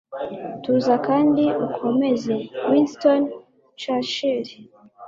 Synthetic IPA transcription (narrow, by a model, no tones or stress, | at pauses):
tuzakaːndiukʰo̞me̞ze̞winston | t͡ʃaʃiɾi